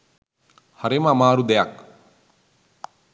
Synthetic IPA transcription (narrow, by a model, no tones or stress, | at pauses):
haɾeməamaːɾud̪ɛjak